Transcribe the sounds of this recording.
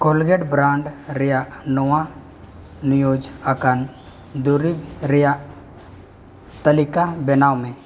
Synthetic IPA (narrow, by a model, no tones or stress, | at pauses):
kolɡeɖbɾãːɳɖɾejanɔwã | nɪjoːd͡ʒakan | d̪uɾibɾɪja | t̪əlɪkabɛnaːwmẽ